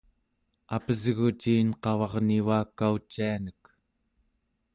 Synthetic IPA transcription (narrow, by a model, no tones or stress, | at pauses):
apəzɣut͡ʃiːnqɑwɑʁnivaːkːaut͡ʃːianək